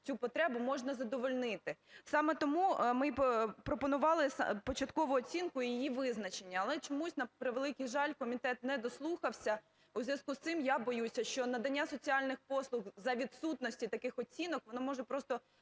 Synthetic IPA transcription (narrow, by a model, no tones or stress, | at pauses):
t͡sʲupɔt̪ɾɛbʊmɔʒnɐzɐd̪ɔʋɔlʲnɪt̪ɪsɑmɛt̪ɔmumɪpɾɔpɔnʊʋɑlˠɪspɔt͡ʃɐt̪kɔʋʊɔt͡sʲinkʊjijiʋɪznɐt͡ʃe̞nʲːɐːlˠɛt͡ʃɔmusʲnɐpɾɪʋelˠɪkʲijʒɑlʲkɔmʲit̪ɛt̪̚nɛd̪ɔslˠuxɐwsʲɐ | uzʲjʲɐskust̪sɪmjabɔjusʲɐʃt͡ʃɔnɐd̪ɐnʲːasɔt͡sʲiɑlʲnɪxpɔslˠʊxzɐʋʲid̪sut̪nɔsʲtʲit̪ɐkɪxɔt͡sʲinɔkʋɔnɔmɔʒɛpɾɔst̪ɔ